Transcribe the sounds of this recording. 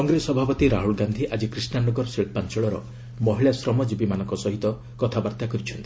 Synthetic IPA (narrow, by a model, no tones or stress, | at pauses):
kɔŋɡɾesɔbʱapɔt̪iɾaɦuɭɡand̪ʱiʔad͡ʒikɾisnanɔɡɔɾɔseɭpant͡ʃɔɭɔɾɔ̰ | mɔɦiɭasɾɔmɔd͡ʒibimanɔŋkɔsɔɦit̪ɔ | kɔt̪ʰabaɾt̪akɔɾit͡ʃʰɔnt̪ii